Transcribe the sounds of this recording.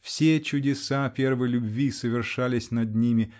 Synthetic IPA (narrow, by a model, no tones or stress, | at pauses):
fsʲet͡ɕʊdʲɪsapʲe̞rvɨlʲʊbvʲisəvʲɪrʂalʲɪsʲnɐd̪nʲimʲɪ